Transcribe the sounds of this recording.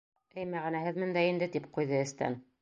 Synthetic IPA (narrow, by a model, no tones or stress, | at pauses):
ɘjmæʁɘ̆næhɘðmɘ̆nd̪æind̪ɘt̪ip̚qujðɤɘ̆st̪æ̰n